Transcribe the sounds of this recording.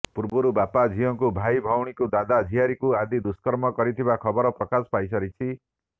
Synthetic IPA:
puɾbɔɾubapad͡ʒʱijɔŋkubʱajbʱawɽ̃ikud̪ad̪ad͡ʒ̪ʱiaɾikuad̪id̪uskɔɾmɔkɔɾit̪ʰibakʰɔbɔɾɔpɾɔkasɔ̥pajsɔɾit͡ʃʰi

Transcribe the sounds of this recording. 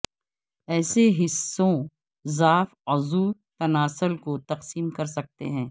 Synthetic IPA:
ɛːseɦɪsːõ | zaːfɐzuːt̪ɐnaːsʊlkot̪ɐqsiːmkɐɾsɐk̚t̪ḛɦɛ̃ː

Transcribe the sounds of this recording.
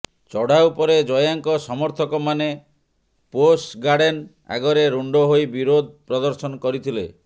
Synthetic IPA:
t͡ʃɔɽ̤awpɔɾed͡ʒɔjaŋkɔsɔmɔɾt̪ʰɔkɔmane | posɡaɽen | a̰ɡɔɾeɾuɳɖɔɦojbiɾod̪̚ʱpɾɔd̪ɔɾsɔnɔkɔɾit̪ʰilḛ

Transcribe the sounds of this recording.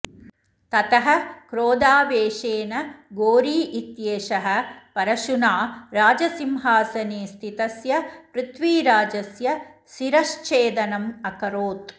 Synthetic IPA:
t̪ɐt̪ɐɦɐ̆kɾoːd̪aːʋeːʃeːnɐɡoːɾiːʔit̪jeːʃɐɦɐ̆pɐɾɐʃunaːɾaːd͡ʒɐsimɦaːsɐneːst̪ʰit̪ɐsjɐpɾɪt̪ʋiːɾaːd͡ʒɐsjɐʃiɾɐʃt͡ʃeːd̪ɐnɐmɐkɐɾoːt̪̚

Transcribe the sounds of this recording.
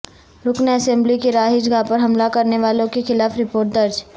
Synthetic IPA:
ɾʊkneɐsɛ̃mblikeɾaːɦɪd͡ʒɡapɐɾɦɐmlakɐɾneʋaːlõkexɪlaːfɾɪpoːɾʈ̚d̪ɐɾd͡ʒ

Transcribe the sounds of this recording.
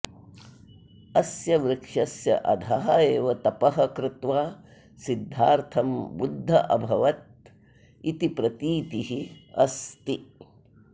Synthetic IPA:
ɐsjɐʋɾɪkʂɐsjɐ̰ʔɐd̪ʱɐɦɐeːʋɐt̪ɐpɐɦɐkɾɪt̪ʋaː | sid̪ʱːaːɾt̪ʰɐmbud̪ʱːɐʔɐbʱɐʋɐt̪̚ | it̪ipɾɐt̪iːt̪iɦiɐst̪i

